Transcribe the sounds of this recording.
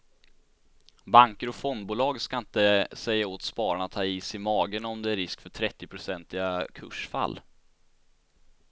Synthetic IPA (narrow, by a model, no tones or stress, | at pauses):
baŋkəɾɔfɔnd̪buːlɑːɡskaɪnt̪əsɛjːaoːt̪spɑːɾaɳat̪ʰɑːiːsɪmɑːɡənɔmd̪ɛæɾɪskfœʈʰɾɛt̪ːɪpʰɾʊsɛnt̪ɪɡakʰɵ̰ʂfa̰lː